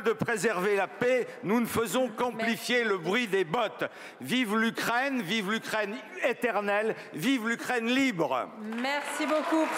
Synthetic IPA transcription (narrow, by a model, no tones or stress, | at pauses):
d̪əpχezɛʁvelapenunəfəzɔ̃kɑ̃plifjeləbʁɥid̪ebɔt̪ | vivlykχɛnvivlykχɛnet̪ɛʁnɛl | vivlykχɛnlibʁmɛʁsiboku